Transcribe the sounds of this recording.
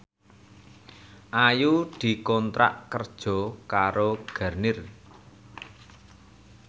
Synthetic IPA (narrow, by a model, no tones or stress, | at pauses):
ʔajud̪̥i̤kɔnt̪ɾa̰ʔkərd̥ʒ̥ɔ̤kaɾoɡ̥a̤rnɪr